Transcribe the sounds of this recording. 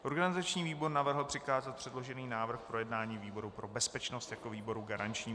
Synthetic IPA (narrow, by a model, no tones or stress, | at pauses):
ʔo̞ɾɡanɪzat͡ʃɲiːviːbo̞ɾnavr̩ɦl̩pr̥ɪkaːzat̪̚pr̥ɛdlo̞ʒɛniːnaːvr̩xpɾo̞jɛdnaːɲiːviːbo̞ɾupɾo̞bɛspɛt͡ʃnost̪jakoviːbo̞ɾuɡaɾant͡ʃɲiː